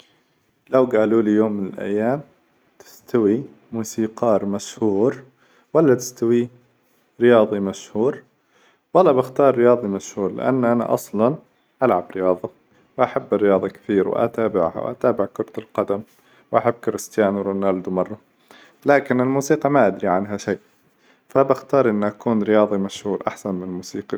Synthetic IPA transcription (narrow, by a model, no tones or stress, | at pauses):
lawɡaːluːlijoːmːɪnɪlʔa̰jːaːm | t̪ɪ̥st̪ʰawi | muːsiːqɑːɾmaʃhuːɾ | walːat̪ɪ̥st̪awi | ɾɪjɑːðˤimaʃhuːɾ | walːabɪxt̪ɑːɾˤːɪjɑːðˤimaʃhuːɾlɪ̰ʔa̰nːʔana̰ʔɑsˤlɑn | ʔalʕabɾɪjɑːðˤɑ | wʔaħabːɪrːɪjɑːðˤɑkḁθiːɾwɪ̰ʔa̰t̪aːbɪʕha̰wʔa̰t̪aːbɪʕkʊɾˤt̪alqɑd̪am | wʔaħabːkɪɾɪst̪ɪjaːnwɾʊnald̪umɑrˤːɑ | laːkɪnɪlmuːsiːqɑmaʔad̪ɾiʕanɦaʃaːʔ | fabaxt̪ɑːɾˤʔɪnːʔakuːnɾɪjɑːðˤimaʃhuːɾʔaħsanmɪnɪlmuːsiːqi